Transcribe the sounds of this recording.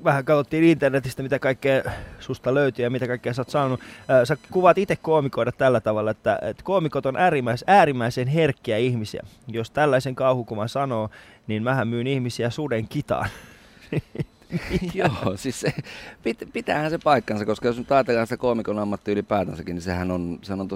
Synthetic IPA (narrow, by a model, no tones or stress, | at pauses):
ʋæhækɑt̪ot̪ːiːnint̪ernet̪ist̪æmit̪ækɑikːeːsust̪ɑløyt̪yːjɑmit̪ækɑikːeːsɑːt̪sɑnːonuːsækuʋɑt̪it̪ekkoːmikoidɑt̪t̪ælːæt̪ɑʋɑlːɑet̪ːæ̰ḛt̪koːmikot̪onʔæːɾimːæsæːɾimːæisenherkːiæihmisiæ̰jost̪ælːæiseŋkɑuhukumɑnsɑnoː | ninmæhæmmyːnihmisiæsudeŋkit̪ɑ̰ːn | ijoːsissepit̪pit̪æ̰ːhænsepɑikːɑnsɑkoskɑjosnyt̪ɑit̪elːˑɑnsi̥t̪ækoːmikonɑmːɑt̪ːiylipæːt̪ænsækinisehænonsehænont̪